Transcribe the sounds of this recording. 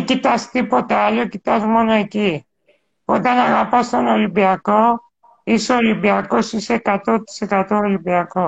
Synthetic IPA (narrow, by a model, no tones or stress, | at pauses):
kit̪ast̪ipɔt̪alɔkit̪asmɔnajki | pɔt̪anaɡapasɔnɔlibjakɔ | isolibjakɔsisekat̪ɔt̪sekat̪ɔolibjakɔ